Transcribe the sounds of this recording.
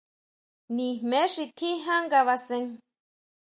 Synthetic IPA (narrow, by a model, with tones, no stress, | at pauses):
nĩ˨mmẽ˨˦ʂi˧t̪ʰi˦ɦã˦ŋɡa˧βa˧sẽ˧ŋ